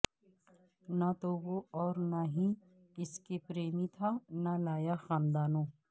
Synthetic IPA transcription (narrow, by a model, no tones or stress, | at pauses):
nat̪oʋoɔːɾnaɦĩ | ɪskepɾeːmit̪ʰanalaːjaxaːnd̪aːnõː